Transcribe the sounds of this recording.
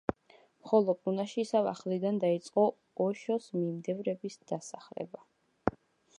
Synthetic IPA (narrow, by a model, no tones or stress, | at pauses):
mχɔlˠɔpʼunaʃiːsava̰χlid̪and̪ait̪sʼqʼɔ | ɔʃɔsmimd̪ɛvɾɛbisd̪̥asaχlɛ̰ba